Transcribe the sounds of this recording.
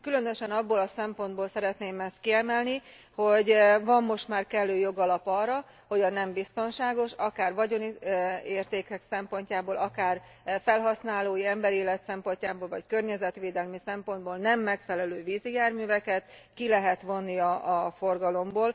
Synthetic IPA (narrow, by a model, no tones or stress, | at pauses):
kylø̞nøʃɛnɒbːoːlɒsɛmpo̞nd̪̚boːlsɛɾɛt̪neːmɛst̪̚kiɛmɛlni | ho̞ɟvɒmːo̞ʃt̪maːrkɛlːøːjo̞ɡɒlɒpɒːrːɒ | ho̞ɟɒnɛmbist̪o̞nʃaːɡo̞ʃɒkaːrʋɒɟo̞nieːrt̪eːkɛksɛmpo̞ɲcaːboːlʔɒkaːr | fɛlɦɒsnaːloːjiɛmbɛɾeːlɛt̪sɛmpo̞ɲcaːboːlvɒckørɲɛzɛt̪ʋeːd̪ɛlmisɛmpo̞nd̪boːlnɛmːɛkfɛlɛløːviːzijaːrmyːvɛkɛt̪kilɛɦɛt̪ʋo̞nːiɒːfo̞rɡɒlo̞mboːl